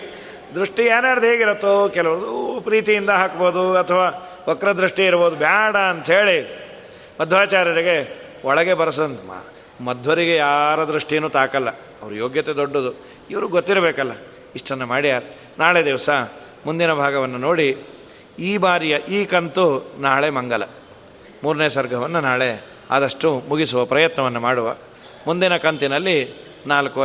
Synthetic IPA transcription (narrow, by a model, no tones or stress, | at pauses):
d̪ɾuʂʈijaːɾaːɾd̪uɦeːɡiɾot̪ːokɛlɐʋɐɾɐd̪upɾiːt̪ijind̪ɐɦaːkboːd̪uɐt̪ʰɐʋaː | ɔkɾɐd̪ɾuʂʈiiɾboːd̪ubʱjaːɽɐːnt̪ɐɦe̞ːɭi | mɐd̪ʱʋaːt͡ʃaːɾjɐɾiɡe̞ | ɔɭɐɡe̞bɐɾɐs̬ɐnt̪ɐma̰ː | mɐd̪ʱʋɐɾiɡejaːɾɐd̪ɾuʂʈijɐnuːt̪aːkɐlːɐ | ɐʋɐɾujoːɡjɐt̪ed̪oɖːod̪u | iʋɐɾuɡot̪ːiɾɐbɛːkɐlːɐ | iʂʈɐnːumaːɽij̪aːɾ | naːɭed̪iʋɐsɐ | mund̪inɐbʱaːɡɐʋɐnːunoːɽi | iːbaːɾijɐʔiːkɐnt̪unaːɭe̞mɐŋɡɐlɐ̰ | muːɾunejɐsɐɾɡʱɐʋɐnːunaːɭe̞ | a̰ːd̪ɐʂʈumuɡisuʋɐpɾɐjɐt̪nɐʋɐnːumaːɽuʋɐ̰ | mund̪inɐkɐnt̪inɐlːi | naːlkuɐ